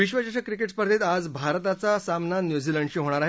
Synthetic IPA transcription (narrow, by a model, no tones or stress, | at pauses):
ʋiɕʋət͡ɕaɕəkɾikeʈspəɾt̪iːt̪ad͡zbʱaɾt̪at͡sasamnanjud͡ziləɳɖɕiːɦoɽ̃aɾaɦe